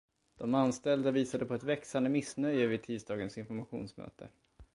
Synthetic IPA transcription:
d̪̥ɔmanst̪ɛld̪aviːsad̪əpʰɔɛt̪vɛksand̪əmɪsnœjəvɪt̪ʰiːsd̪ɑːɡənsɪnfɔɾmaɧṵːnsmœ̰ːt̪ʰə̰

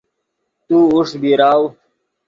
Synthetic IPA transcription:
t̪uːuʂbiɾaːw

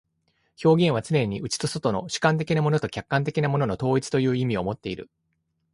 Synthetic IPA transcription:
ço̞ːɡʲẽ̞ɰ̃βat͡sɨnẽ̞ɲ̟iʔɯ̟t͡ɕi̥t̪o̞so̞t̪o̞no̞̰ɕi̥kãnt̪̬e̞kʲinamo̞no̞t̪o̞kʲakːãnt̪̬e̞kʲinamo̞no̞no̞t̪o̞ːit͡sɨ̥t̪o̞jɯ̟ːimʲio̞mo̞t̪ːe̞iɾɯ̟̰

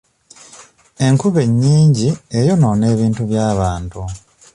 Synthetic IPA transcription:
e̞ŋkuβe̞ɲːiːɲɟie̞jo̞no̞ːne̞ːβiːntuβjaːβaːntu

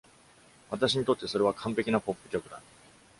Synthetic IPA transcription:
βat̪aɕ̬iɲ̟it̪o̞t̪ːe̞so̞ɾe̞βakʰãmpe̞kʲinapo̞pːɯ̟kʲo̞kɯ̟d̪a

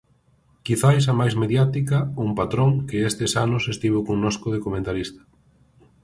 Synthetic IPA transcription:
kiθajs̬ɐmajzmeðjat̪ikɐumpat̪ɾoŋkɪest̪esanʊsest̪iβ̞okoŋnoskoðekomẽnt̪aɾist̪ɐ̥

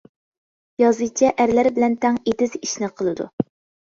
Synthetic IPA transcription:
jɑzɨjt͡ʃʰɛʔæɾlæɾbɪlɛnt̪ʰɛŋed̪ɪziʃnɪqʰəlˠɨd̪ṵ

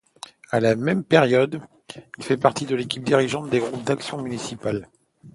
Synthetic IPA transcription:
alamɛmpeʁjɔd̪ | ilfɛpaʁt̪id̪əlekʲip̚d̪iʁiʒɑ̃t̪̚d̪eɡʁup̚d̪aksjɔ̃mynisipal

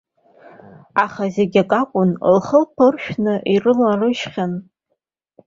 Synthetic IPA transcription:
aχazeɡʲakʼakʷʼʊnlχəlpʰɨrʃᶣnɨʔirɨlarɨʃχʲan

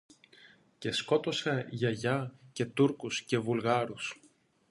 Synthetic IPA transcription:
ce̞sko̞t̪o̞seʝɐʝɐce̞t̪uɾkusce̞vulɣɐɾus

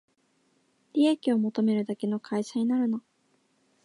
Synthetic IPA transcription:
ɾʲiekʲio̞mo̞t̪o̞me̞ɾɯ̟d̪ake̞no̞kʰaiɕaɲ̟inaɾɯ̟no

